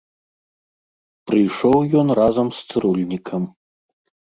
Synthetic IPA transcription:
pɾɨjʂɔwjɔnrazɐmst̪sɨɾulʲnʲikʰɐm

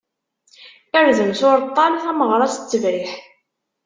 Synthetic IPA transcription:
əɾzəmsʊɾt̪ˤːɑnθæməʁɾˤɑsə̥t͡sːəvɾiħ

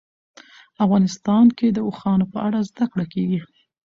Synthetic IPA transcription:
afɣɑnɪst̪ɑnked̪əoxɑnopəʔaɽazd̪akɽakeɡi

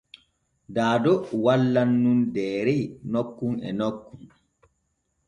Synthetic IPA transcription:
daːdɔwalːanːundɛːɾɛnokːuŋɛ̰nokːun

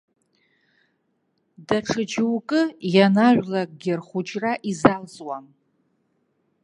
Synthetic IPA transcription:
daʈ͡ʂʰɨd͡ʒɪwkʼɨjanaʒʷlak̚ʼɡʲɪrχʷʊt͡ʃʼraʔizalzʼwam

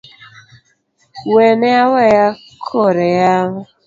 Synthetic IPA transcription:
weneaweja | kʰoɾejaɦʊ

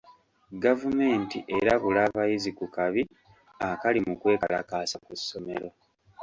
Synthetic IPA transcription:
ɡavume̞ːntiʔe̞ɾaβulaːβajizikukaβi | akalimukwe̞ːkala̰kaːsakusːo̞me̞ɾo̞

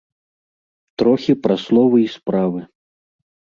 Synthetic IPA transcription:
t̪ɾɔxʲipɾaslˠɔvɨispɾavɨ

